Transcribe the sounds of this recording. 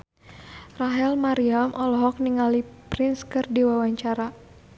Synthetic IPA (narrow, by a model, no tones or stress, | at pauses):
raɦɛlmaɾiamʔɔlɔɦɔk̚niŋalipɾɪnskɨrdiwawaɲt͡ʃaɾa